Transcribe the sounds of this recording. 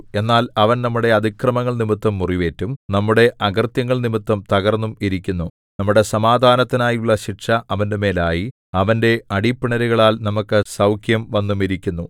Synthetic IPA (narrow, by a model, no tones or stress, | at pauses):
e̞nːaːlɐʋɐnnɐmːuɽe̞ɐd̪ʱikrɐmɐŋːɐɭnimit̪ːɐmːuriʋe̞ːtːumnɐmːuɽe̞ʔɐɡɐrt̪jɐŋːɐɭnimit̪ːɐmt̪ɐɣɐrnːumiɾikʲːunːu | nɐmːuɽe̞sɐmaːd̪ʱaːnɐt̪ːinaːjuɭːɐɕiʈʂɐʔɐʋɐnde̞me̞ːlaːji | ɐʋɐnde̞ɐɽipːiɳɐɾuɣɐɭaːlnɐmukːɨsɐwkʰjɐmʋɐnːumiɾikʲːunːu